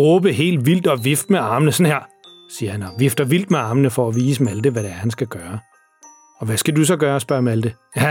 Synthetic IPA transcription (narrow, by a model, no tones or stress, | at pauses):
ʁɔːb̥əɦe̝̰ːld̥ʋil̰d̥ɒ̽ʋifd̥meɑ̈ːmənəsɔ̽nheɐ̰ | siːɐhænɒʋifd̥ɐʋil̰d̥meɑ̈ːmənəfɒ̽æʋiːsəmæld̥əʋæɾeæɐhænsɡ̥æɡ̥ɶːɐ | ɒ̽ʋæsɡ̥ædus̬ɒ̽ɡ̥ɶːɐɒsb̥ɶɐ̰mæld̥ə